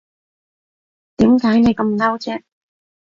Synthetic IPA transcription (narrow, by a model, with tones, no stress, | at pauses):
t̪iː˨˥mkaː˨˥jne˨˧jkɐ˧mnɐ˥wt͡sɛː˥